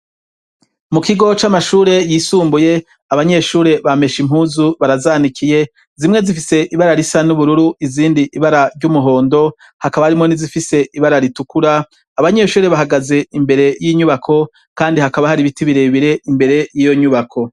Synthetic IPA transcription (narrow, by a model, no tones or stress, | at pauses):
mukiɡo̞t͡ʃamaʃuːɾe̞jiːsuːmbuje̞ | aβaɲe̞ʃuːɾe̞βame̞ʃim̥huːzuβaɾazaːnikʰije̞ | zimŋe̞zifise̞ʔiβaɾaɾisanuβuɾuɾuʔiziːndiʔːβaɾaɾɟumuɦo̞ːndo̞ | hakaβahaɾimŋonizifise̞ʔiβaɾaɾitukuɾaː | βaɲe̞ʃuːɾe̞βaɦaɡaze̞imbe̞ɾe̞jiːɲuβakʰo̞ | kaːndihakaβahaɾiβitiβiɾeβiɾe̞ʔimbe̞ɾe̞jiːjo̞ɲuβakʰo̞